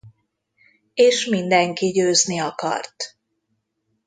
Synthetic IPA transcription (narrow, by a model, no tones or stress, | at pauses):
eːʃmind̪ɛŋkiɟøːzniɒkɒ̰rt̪